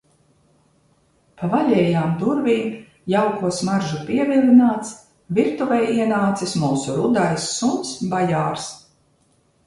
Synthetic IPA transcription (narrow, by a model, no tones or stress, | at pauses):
pavaʎʲɛːjaːmd̪uɾviːm | jawkuɔsmaɾʒupiɛvilˠinaːt̪s | viɾt̪uvɛjiɛnaːt̪sismuːsuɾud̪ajsːunsbajaːɾs